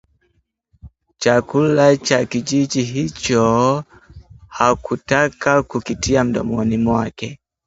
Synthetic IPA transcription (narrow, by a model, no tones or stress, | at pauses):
t͡ʃakulat͡ʃakiʄiʄiɦit͡ʃɔ | hakutakakukitʰiam̩ɗɔ̰mɔnimwakɛ